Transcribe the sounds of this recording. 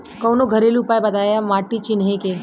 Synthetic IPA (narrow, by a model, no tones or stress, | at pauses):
kɐwnoɡʱəɾeliːpaːjbɐd̪aːjamaːʈːit͡ʃinɦẽke